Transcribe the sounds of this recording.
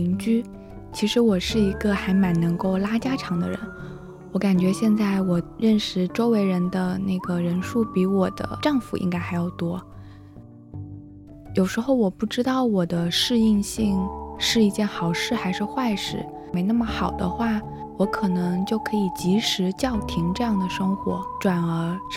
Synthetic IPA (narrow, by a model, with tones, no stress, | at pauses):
i˧˥ŋt͡ɕy˥ | t͡ɕʰi˧˥ʂɻ̩˧˥wɔ˨˩ʂɻ̩˥˩i˧˥ɡə˧xa˧˥ɪma˧˥nnɤ˧˥ŋko˥˩ʊla˥t͡ɕja˥ʈ͡ʂʰɑ˧˥ŋd̪ə̰˧ɻə̰˧˥n | wɔ˧˥ka˨˩nt͡ɕɥɛ˧˥ɕjɛ˥˧nt͡sa˥˩ɪwɔ˨˩ɻə˥˩nʂɻ̩˥˩ʈ͡ʂo˥ʊwe˧˥ɪɻə˧˥nd̪ə˧na˥˩ɪɡə˩ɻə˧˥nʂu˥˩pi˧˥wɔ˨˩d̪ə̰˦ʈ͡ʂɑ˥˩ŋfṵ˨˩ʔḭ˧˥ŋka˥ɪxa˧˥ɪjo˨˩ʊt̪wɔ˥ | jo˨˩ʊʂɻ̩˧˥xo˥˩ʊwɔ˨˩pu˥˩ʈ͡ʂɻ̩˥t̪ɑ˥˩ʊwɔ˨˩d̪ə˦ʂɻ̩˥˧i˥˧ŋɕi˥˩˧ŋʂɻ̩˥˧i˥˧t͡ɕjɛ˥˩nxɑ˨˩ʊʂɻ̩˥˩xa˧˥ɪʂɻ̩˥˧xwa˥˧ɪʂɻ̩˥˩ | me˧˥ɪna˥˩mə˩xɑ˨˩ʊd̪ə̰˦xwa˥˩ | wɔ˧˥kʰɤ˨˩nɤ˧˥ŋt͡ɕjo˥˩ʊkʰɤ˧˥i˨˩t͡ɕi˧˥ʂɻ̩˧˥t͡ɕjɑ˥˩ʊt̪ʰi˧˥ŋʈ͡ʂɤ˥˧jɑ˥˩ŋd̪ə˩ʂɤ˥ŋxwɔ̰˧˥ʈ͡ʂwa˨˩nə˧˥